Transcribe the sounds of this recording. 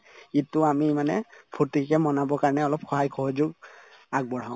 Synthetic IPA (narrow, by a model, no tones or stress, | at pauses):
itːʊamimanɛ̰pʰutikɛmɔnabɔkaɹnɛɔlɔpxɔɦajkʰɔɦɔd͡ʒʊɡ | aɡ̚bɔɹ̤aʊ̃